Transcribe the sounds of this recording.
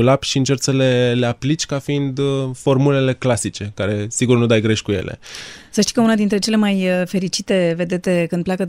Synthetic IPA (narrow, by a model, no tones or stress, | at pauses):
ulapʃiɨnt͡ʃe̞rt̪səle̞le̞aplit͡ʃʲkafiind̪fo̞rmule̞le̞klasit͡ʃe̞kaɾe̞siɡurnud̪ajɡɾe̞ʃʲkuje̞̰le̞̰səʃt̪i̥kəunad̪int̪ɾe̞t͡ʃe̞le̞majfe̞ɾit͡ʃit̪e̞ve̞d̪e̞t̪e̞kɨnd̪plʲeakə